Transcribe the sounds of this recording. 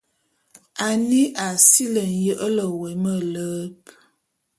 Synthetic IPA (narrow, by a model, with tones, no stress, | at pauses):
a˨ni˦ʔa˨si˦lə˨n̩˨jə˦ʔə˦lə˨wɛ˨mə˦lə˦p